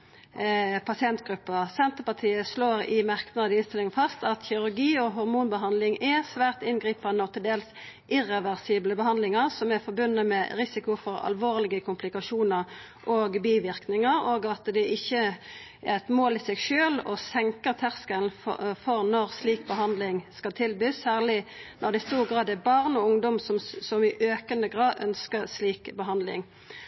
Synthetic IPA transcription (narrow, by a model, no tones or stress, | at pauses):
pʰɑsɪɛnt̪ɡʁʉpːəʁsɛnt̪əpɑt̪ʰiːəsloːʁɪ̰mɑʁknɑd̪əɪnst̪ɪlɪŋnfɑst̪ɑt̪çɪɾʉʁɡiːɔɦɔɾmuːnbəɦɑnd̪lɪŋɛsʋæːʁt̪ɪnɡʁiːpɑnəɔt̪ʰɪld̪eːls | ʔɪʁɛʋæʁsiːbləbəhɑnd̪lɪŋəʁsɔmɛfɔɾbʉnːəmɛɾɪsɪkʊfɔɾɑ̰lʋoːʁlɪɡəkʰʊmplɪkɑʂuːnəʁ | ʔoːɡbiːʋɪʁknɪŋəɾoːɡɑt̪d̪ɛʔɪçːə | ʔæɛt̪moːlɪsɛɡʃøːlɔ̰sɛŋkəʁt̪ʰæʁskəlnfɔʁnɔʁsliːk̚bəɦɑnd̪lɪŋskɑlt̪ʰɪlbyːsːæːʁlɪnɔʁd̪ɛst̪uːʁɡʁɑːd̪ɛbɑʁnɔʊŋd̪ɔmsɔmsɔmɪʔøːkənəɡʁɑːd̪œ̰nskəɾsliːkbəɦɑnd̪lɪ̰ŋ